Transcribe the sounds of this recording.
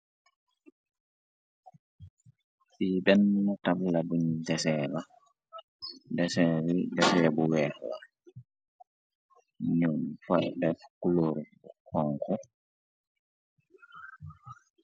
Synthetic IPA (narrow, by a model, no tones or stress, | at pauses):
biːbɛnːatablabundɛsɛːla | dɛsɛɾidɛsɛːbɔwɛhla̰ | ɲumfadɛfu̥kːuloːɾi | hɔŋkʰɔ